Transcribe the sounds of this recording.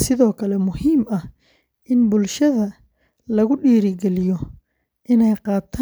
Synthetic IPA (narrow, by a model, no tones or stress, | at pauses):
sɪðɔːkʰɐlɛmʊhiːmɐh | ʔɪnbʊlʃɐðɐ | lɐɣʊɖiːɾɪɡɛlɪjɔ | ʔɪnɛjqɑːt̪ʰa